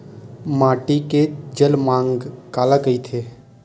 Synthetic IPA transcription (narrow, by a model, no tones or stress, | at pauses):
maːʈiked͡ʒəlmãːŋɡkaːlakəit̪ʰeː